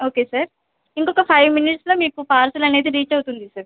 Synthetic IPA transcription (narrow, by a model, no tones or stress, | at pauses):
oːkesɐɾ | ɪnkokɐpʰaːɪʋmɪnɪʈslɐmekːopaːɾselɐːnet̪iɾiːt͡ʃeɦot̪ũnd̪isɐɾ